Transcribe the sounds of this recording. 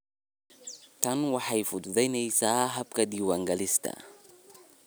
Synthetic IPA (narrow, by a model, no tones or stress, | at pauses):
t̪ʰɐnwɑħajfʊd̪ðɛjnɛjsaːɦɐb̚kɐd̪iːwɐŋɡɐlɪst̪ʰɐ̰